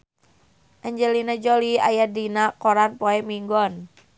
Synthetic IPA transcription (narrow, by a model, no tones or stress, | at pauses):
ʔaɲd͡ʒɛlinad͡ʒolia̰jadinakɔɾanpɔɛmiŋɡɔn